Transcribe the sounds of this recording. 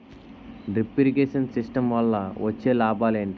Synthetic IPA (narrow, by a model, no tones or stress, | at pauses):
ɖipiɾikeːʃɐnsisʈɐmʋɐlːɐʋɐt͡ʃːe̞ːlaːbaːleːɳʈi